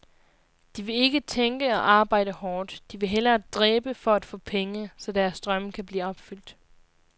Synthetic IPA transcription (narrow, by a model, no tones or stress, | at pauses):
d̥iʋe̝e̝ɡ̥ət͡sʰeŋɡ̥əɒ̽ʔɑ̈ːb̥ɑ̈ɪ̰d̥əhɒːd̥d̥iʋe̝ɦel̰ɐd̥ʁɛːb̥əfɒ̽æd̥fɔ̰̽ːpʰeŋəsɒ̽d̥æɐsd̥ʁɶmkʰæb̥liːɒ̽b̥fyl̰d̥